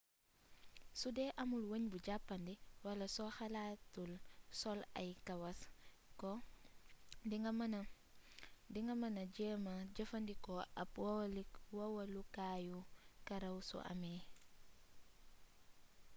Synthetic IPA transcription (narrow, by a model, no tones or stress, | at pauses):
sudɛʔɐmulwəɲbuɟapːɐndiwɐlɐsɔxɐlaːtːulsɔlɐ̰jkɐwɐs | kɔ | diŋɐmɐnɐ | diŋɡɐmɐnɐɟɛːmɐɟɐfɐndikɔɐp̚wɔwɐlikwowɐlukaːjukɐɾɐwsṵʔɐ̰mɛː